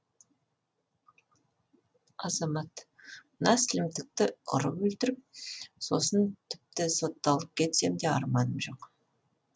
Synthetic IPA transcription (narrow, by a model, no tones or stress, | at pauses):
ɑzɑmɑt̪ | mənɑsɪlɪmt̪ɪk̚t̪ɪʊ̰ɾəpwɵlt̪ɪɾɪp̚so̞sənt̪ʰɪ̥p̚t̪ɪso̞t̪ːɑlˠəp̚kʲʰe̞t̪se̞md̪e̞ɑ̰ɾmɑnəmʒo̞q